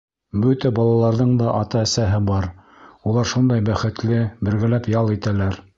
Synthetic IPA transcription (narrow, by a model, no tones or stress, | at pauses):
bɵt̪æbɑlˠɑlˠɑɾðɤɴd̪ɑʔɑt̪ɑːsæɦɘbɑɾ | ulˠɑɾʃund̪ɑjbæχɘ̆t̪lɘbɘ̆ɾɡælæpjɑlˠit̪ælæɾ